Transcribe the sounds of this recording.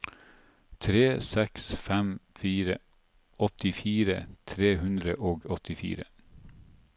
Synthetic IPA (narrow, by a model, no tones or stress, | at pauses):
t̪ʰɾeːsɛksfæmfiːɾə | ɔt̪ɪfiːɾə̰t̪ʰɾeːhʉnd̪ɾəʔoːɡɔt̪ɪfḭːɾə